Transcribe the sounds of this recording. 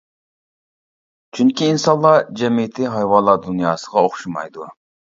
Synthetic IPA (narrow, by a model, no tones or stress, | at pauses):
t͡ʃʰyŋkʲiːnsɑnlːˠɑd͡ʒɛmit̪ʰɪɦɑjwɑnlˠːɑd̪unjɑːsəʁɑoχʃumɑ̰jd̪u